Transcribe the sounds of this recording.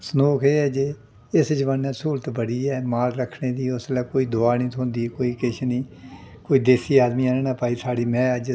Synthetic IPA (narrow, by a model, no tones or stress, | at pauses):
sənoːkʰeːɛːd͡ʒeː | ɪsd͡ʒʋənːɛːsuːɾt̪bəɽiːɛːmaːɾɾəkʰɳeːd̪iːʊslɛːkoːiːd̪ʊaːnĩːt̪ʰõːnd̪iːkoːiːkɪʃʰnĩːkoːiːd̪eːsiːaːd̪miːaːneːnãːpaːiːsaːɽiːmɛ̃ːəd͡ʒ